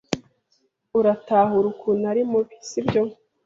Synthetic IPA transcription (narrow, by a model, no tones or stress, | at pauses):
uɾataːɦuɾukunaɾimuβi̥sibjo